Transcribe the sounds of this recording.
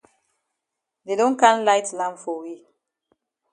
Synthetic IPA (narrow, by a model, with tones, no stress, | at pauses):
de˨dɔ̃˦nkã˦nlaɪtlã˦mpfɔ˨wi˦